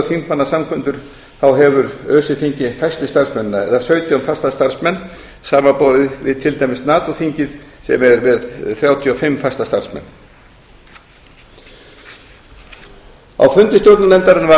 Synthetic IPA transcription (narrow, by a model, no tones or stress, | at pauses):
θiŋkmanːasamkʰvʏnt̪ʏɾ̥ | θawɦɛvʏɾœːsɪθiɲcɪfajst̪ɪst̪aɾ̥smɛnɪnːaɛðasœːɥt̪ʰjanfajst̪ast̪aɾ̥smɛnː | saːmapowðɪvɪ̰ðt̪ʰɪlt̪ajmɪst̪naːt̪ɔθiɲcɪð̥sɛ̰mɛɾvɛðθɾjaːwt̪ʰjiɔfɪmːfajst̪ast̪aɾ̥smɛ̰nː | a̰wfʏnt̪ɪst̪jowɾt̪nʏlɛnt̪aɾɪnva